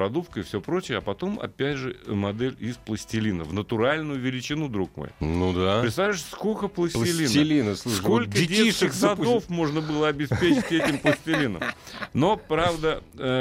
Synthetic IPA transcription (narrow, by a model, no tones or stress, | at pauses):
ɾɐd̪upkəɪfsʲɵpɾo̞t͡ɕɪjəɐpɐt̪o̞mɐ̰pʲætʲʐɨmɐd̪ɛlʲɪsplˠəsʲtʲɪlʲinə̰vnət̪ʊɾalʲnʊjʊvʲɪlʲɪt͡ɕɪnud̪ɾukmo̰jnud̪apɾɪt̪st̪aɪʂskokəplˠəsʲlˠtʲɪlʲinʲɪlʲinəslˠsuʂko̞lʲkəɪdʲeiʂɨxsɐd̪o̞fmo̞ʐnəbɨlˠəɐbʲɪspʲet͡ɕɪtʲɛt̪ʲɪmplˠəsʲtʲɪlʲinə̰mno̞pɾavd̪əə